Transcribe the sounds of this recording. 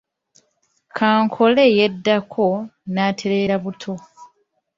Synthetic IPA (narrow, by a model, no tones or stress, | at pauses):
kʰaːŋkʰo̞le̞ːjedːakʰo̞naːtʰe̞ɾe̞ːɾaβutʰo̞